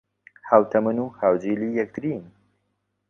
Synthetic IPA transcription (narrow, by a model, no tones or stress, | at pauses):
hawt̪ʰɐmɨnuːhaːwd͡ʒiːliːjɐk̚t̪ɾin